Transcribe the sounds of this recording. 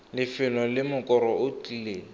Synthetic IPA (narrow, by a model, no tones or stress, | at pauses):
lɪfɪlɔlɪmʊkʼɔɾɔʊt͡ɬileːl